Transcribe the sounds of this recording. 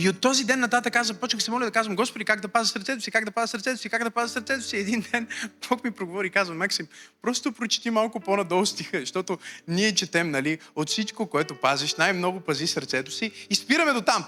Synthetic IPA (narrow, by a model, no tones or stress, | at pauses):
iot̪ːɔzid̪ɛnːɐt̪at̪əkazɐpɔt͡ʃnəxsɛmɔlʲɐd̪ɐkazvɐmɡɔspod̪ʲikaɡd̪ɐpazisəɾt̪sɛt̪ʊ̥sikaɡd̪ɐpazəsəɾt̪sɛt̪ʊsikaɡd̪ɐpazəsəɾt̪sɛt̪ʊ̥siɛd̪ind̪ɛnb̥ɔkmipɾoɡovɔɾikazvɐmaksimpɾɔst̪opɾot͡ʃt̪imalˠkʊponɐd̪ɔlˠst̪ixəʃt̪ɔt̪ʊniɛt͡ʃɛt̪ɛmnɐliot̪fsit͡ʃkokoɛt̪ʊpazɛʃnajmnɔɡʊpɐzisɐɾt̪sɛt̪ʊ̥siːspiɾɐmɛd̪ot̪am